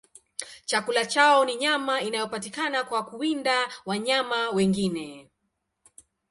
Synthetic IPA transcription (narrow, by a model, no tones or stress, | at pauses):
t͡ʃakulat͡ʃaɔniɲamainajɔpatikanakwakuindawaɲamawɛŋɡinɛ